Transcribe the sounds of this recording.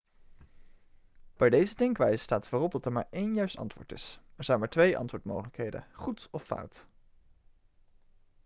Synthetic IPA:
b̥ɛjdejzədɪŋkʋɛjzə̥staːtfoːrɔb̚dɑtɛɹma̰ːɹejnjœɥstɑ̰ntʋʊ̰ːɹtɪ̰sɛɹzɛjnmaːɹtʋejʔɑ̰ntʋʊːɹtmo̰wχələkɦejdə̰χutɔfʌ̰wt

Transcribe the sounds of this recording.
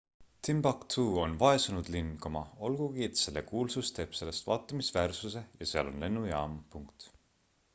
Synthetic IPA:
t̪ʰimbɑkt̪ʰuːo̞nvɑe̞sunud̪̥linɡ̥omɑo̞lɡ̥uɡiet̪se̞lːe̞kuːlsust̪e̞ːb̥se̞lːe̞st̪vɑːt̪ːˑɑmisvæːrsuse̞jɑseɑ̰lo̞̰nle̞nːujɑːmpuŋkt̪

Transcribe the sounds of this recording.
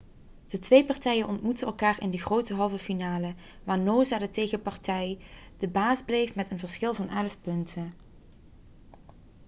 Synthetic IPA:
d̥ətʋejpɑɹtɛjənʔɔntmutənɛlˠkaːrɪ̰ndəɣrowtəɦɑlˠvəfinaːlə | ʋaːɹnowzaːdətejɣəpɑɹtɛjd̥əbaːzblejfmɛtənvəɹsχɪlˠvɑnʔɛləfpɵntʰə

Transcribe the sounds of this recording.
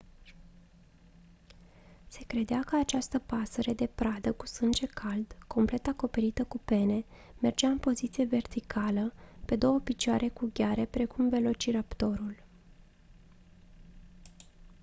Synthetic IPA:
se̞kɾe̞d̪eakəat͡ʃast̪əpasəɾed̪e̞pɾad̪əku̥sɨnd͡ʒe̞kʰald̪ko̞mple̞t̪ako̞pe̞ɾit̪əkupe̞ne̞ | me̞rd͡ʒeaɨnpo̞zit̪sije̞ve̞rt̪ikʰaləpe̞d̪o̞wəpit͡ʃaɾe̞kuɡʲaɾe̞pɾe̞kumve̞lo̞t͡ʃiɾapt̪o̞ɾul

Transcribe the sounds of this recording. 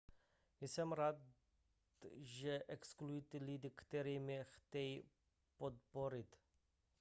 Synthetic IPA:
ɪsɛmɾat̪ | t̪ʒɛʔɛksklujit̪ɪlid̪ɪkt̪ɛɾiːmɛxt̪ʲɛji | pot̪̚poɾɪt̪

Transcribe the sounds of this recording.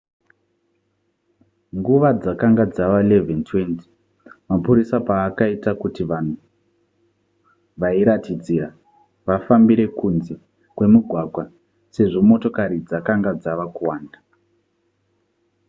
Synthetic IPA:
ŋɡuʋad͡zakaŋɡad͡zaʋaile̞ventʰwe̞nti̥ | mapuɾisapaːkaitakutiʋan̤u | ʋaiɾatid͡zira | ʋafambiɾe̞kunze̞ | kwe̞muɡʱwaɡʱwa | se̞ʐo̞mo̞to̞kaɾid͡zakaŋɡad͡zaʋakuwaːnda

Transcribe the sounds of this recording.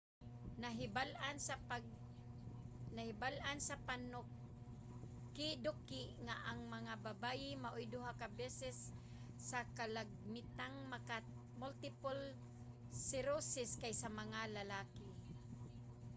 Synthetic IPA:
naɦbalan | nahɪbalʔansapanʊ | kːɪd̪ʊkːɪŋaʔaŋmaŋababajɪmaʔʊjd̪ʊɦakabɛsɛsː | akalaɡ̚mɪt̪aŋmaka | mʊlt̪ɪpʊl | sɪɾosɪskajsamaŋalalaːkɪ

